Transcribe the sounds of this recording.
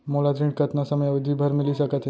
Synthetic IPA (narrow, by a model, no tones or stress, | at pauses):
molat̪ɾĩɳʈ̚kət̪nasəməjaʋəd̪ʱibʱəɾmɪlisəkət̪